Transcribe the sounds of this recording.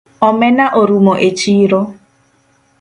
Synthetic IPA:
ɔmenaʔoɾumoʔet͡ʃiɾo

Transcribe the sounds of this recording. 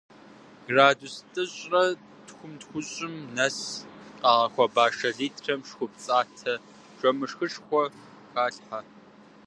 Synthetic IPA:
ɡraːdustʼɨɕʼrɐ | txʷʊmtxʷʊɕʼɪmnɐsqaːʁɐxʷɔbaːʂɐɮiːtʰrʰɐmʂxʷʊp̚t͡sʼaːtʰɐ | ʈ͡ʂʼɐmɨʂxɨʂxʷɔ | xaːɬħa

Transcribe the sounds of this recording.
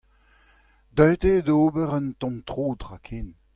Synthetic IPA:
d̪œɥt̪edoːbəʁənt̪ɔ̃mt̪ʁoːd̪ʁakʰeːn

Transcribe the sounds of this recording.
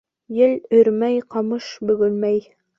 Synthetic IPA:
jɘlɵ̆ɾmæjqɑmɤʃbɵ̆ɡɵnmæj

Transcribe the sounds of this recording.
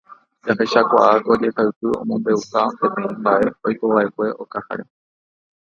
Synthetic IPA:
d͡ʒahe̞ʃakʷaʔakod͡ʒe̞haɨpɨõ̞̰mõmbe̞ukape̞pẽ̞ĩmbaʔe̞ojko̞ʋaʔe̞kʷe̞ʔokaha̰ɾe̞

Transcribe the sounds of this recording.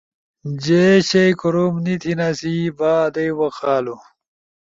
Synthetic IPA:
d͡ʑeɕejkoɾomnit̪ʰinasibaːd̪ɐjwɐxaːlu

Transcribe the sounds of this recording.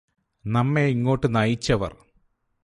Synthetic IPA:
nɐmːeiŋːo̞ːʈːɨnɐjit͡ɕːɐʋɐ̰r

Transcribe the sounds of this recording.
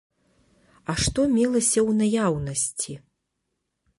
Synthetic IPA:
ɐʂt̪ɔmʲilˠɐsʲɐwnajawnɐsʲt͡sʲi

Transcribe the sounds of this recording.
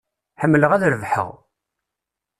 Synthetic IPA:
ħəmːləʁæðɾəvħə̰ʁ

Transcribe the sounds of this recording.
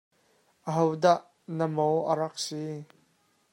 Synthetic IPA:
ʔəɦowdaʔ | nəmowʔəɾɐk̚si

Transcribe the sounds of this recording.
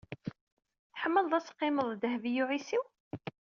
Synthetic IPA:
θħəmːəlðˤæsqːɪməðˤd̪əɦvijuʕisiw

